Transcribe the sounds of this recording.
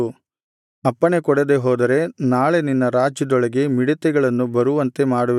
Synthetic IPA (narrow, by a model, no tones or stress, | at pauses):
ɐpːɐɳe̞kɔɽed̪e̞ɦoːd̪ɐɾe̞naːɭe̞ninːɐɾaːd͡ʒɐd̪ɔɭɐɡe̞miɽɐt̪ɛɡɐɭɐnːubɐɾuʋɐnt̪e̞maːɽuʋ